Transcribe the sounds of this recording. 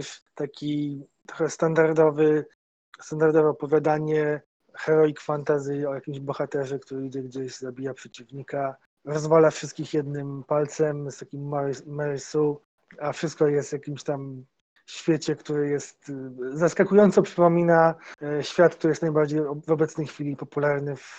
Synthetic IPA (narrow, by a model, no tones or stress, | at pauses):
ʂt̪akʲit̪ɾɔxɛst̪and̪aɾd̪ɔvɘ | st̪and̪aɾd̪ɔvɛɔpɔvʲjad̪aɲɛ | xɛɾɔikfant̪azʲɨɔjakʲimʑbɔxat̪ɛʐɛkt̪uɾɘiɡd͡ʑɛɡd͡ʑeʑzabʲijapʂɛt͡ɕivɲika | ɾɔzvalafʂɘst̪̚kʲixjɛd̪nɘmpalt̪sɛmst̪akʲimːaːɛɾsu | afʂɘst̪̚kɔjɛst̪vʲjakʲimɕt̪am | ɕfʲjet͡ɕɛkt̪uɾɘjɛst̪zaskakujɔnt̪sɔpʂɘpɔmʲinaɕfʲjat̪̚k̚t̪uɾɘjɛst̪najbaɾd͡ʑejvɔbɛt̪snɛjxfʲilʲipɔpulaɾnɘf